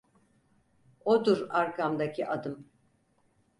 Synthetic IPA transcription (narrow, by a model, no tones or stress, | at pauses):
od̪uɾaɾkamd̪acʰiʔad̪ɯm